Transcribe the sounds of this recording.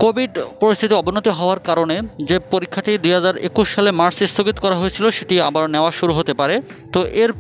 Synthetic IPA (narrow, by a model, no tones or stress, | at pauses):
kobʱiɖpoɾist̪ʰit̪iɔbʱonot̪iɦɔoaɾkaɾoned͡ʑepoɾikʰːaʈid̪ujɦad͡ʑaɾḛkuʃʃalemaɾsist̪ʰoɡit̪o̥kɔɾaɦojet͡ɕʰiloʃeʈiabaɾneoaʃuɾuɦot̪epaɾe | t̪oʔeɾ